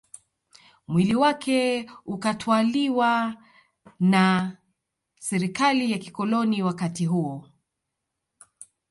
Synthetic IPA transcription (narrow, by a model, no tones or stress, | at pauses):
mwiliwakʰɛukatʰwaliwa | na | sɛɾikalijakikɔlɔniwakatiɦuɔ